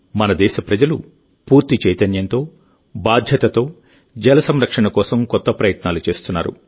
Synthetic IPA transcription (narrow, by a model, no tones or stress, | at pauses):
mɐnɐd̪ɛːʃɐpɾɐd͡ʒɐlṵ | puːɾt̪it͡ʃɛjt̪ɐnjɐnt̪o̞ː | baːd̪ʱjɐt̪ɐt̪o̞ː | d͡ʒɐlɐsɐmɾɐkʂɐɳɐkɔːsɐmkɔt̪ːɐpɾɐjɐt̪naːlut͡ʃe̞ːst̪unːa̰ːɾṵ